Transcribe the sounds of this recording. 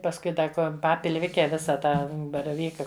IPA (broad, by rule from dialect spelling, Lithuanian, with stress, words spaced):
pɐsˈkʊɪ ˈdɐ ˈkoː ˈpɑːpʲɪlʲˈʋʲɪkʲɛ ˈʋʲɪsɐ ˈtɑː bɐrɐˈʋʲiːkɐ